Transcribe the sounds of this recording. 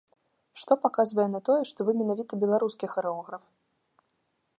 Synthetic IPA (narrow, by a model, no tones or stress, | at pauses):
ʂt̪ɔpakazvɐjɛnɐt̪ɔjɛʂt̪ɔvɨmʲɛnavʲit̪ɐbʲɛlˠaɾuskʲixɐɾɛɔɣɾɐf